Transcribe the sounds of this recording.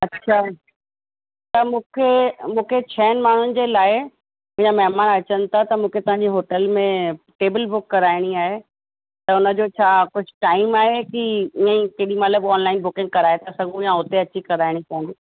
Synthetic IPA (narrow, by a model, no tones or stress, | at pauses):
ɐtːɕʰa | t̪ɐmũːkʰemũːkʰet͡ɕʰɐɦənɪmaːɳ̤ʊnɪ̆d͡ʑeːlaːɪ | mʊ̃ɦɪ̃ɲd͡ʑamɐɦmaːnɐt͡ɕən̆t̪ʰat̪ɐmũːkʰet̪ɐʋ̤ãɲd͡ʑiɦoːʈəlmẽ | ʈeːbɪlbʊkːɐɾaːɪɽ̃iaːɦe | t̪ɐʊnə̆d͡ʑot͡ɕʰaːkʊd͡ʑʱɪʈaːɪmaːɦekiiə̃ĩkeɗimɐt̪ləbɔːnlaːɪnbʊkɪ̃ŋɡ̚kɐɾaːet̪ʰasɐɡʱũjãʊt̪eɐtːt͡ɕʰikɐɾaːɪɽ̃ipõɦnd̪i